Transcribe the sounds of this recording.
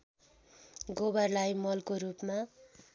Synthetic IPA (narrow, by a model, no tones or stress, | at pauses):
ɡobʌrlajmʌlkoɾupma